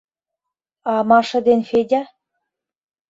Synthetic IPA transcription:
ɑmɑʃɤ̆d̪enfedʲɑ

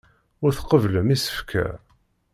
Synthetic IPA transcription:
ʊɾθqəvləmisə̥fkʰæ̰

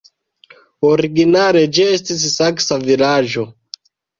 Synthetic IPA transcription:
oɾiɡinale̞d͡ʒiestis̬saksavilad͡ʒo̞

